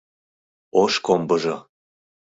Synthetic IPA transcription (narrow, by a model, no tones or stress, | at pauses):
oʃkombɤʒɤ